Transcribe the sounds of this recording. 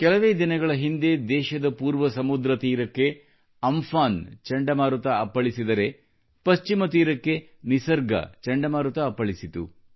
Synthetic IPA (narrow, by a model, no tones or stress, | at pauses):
kɛlɐʋeːd̪inɐɡɐɭɐɦind̪e̞d̪ɛːʃɐd̪ɐpuːɾʋɐsɐmud̪ɾɐt̪iːɾɐkːe̞ | ɐmfaːnt͡ʃɐɳɖɐmaːɾut̪ɐɐpːɐɭisid̪ɐɾe̞ | pɐst͡ʃimɐt̪iːɾɐkːe̞ | nisɐɾɡɐ̰t͡ʃɐɳɖɐmaːɾut̪ɐːpːɐɭisit̪ṵ